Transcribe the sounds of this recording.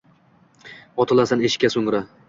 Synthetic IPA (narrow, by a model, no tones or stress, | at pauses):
ɒt̪ʰɪlˠasaneʃɪ̥kʲːasoŋɾa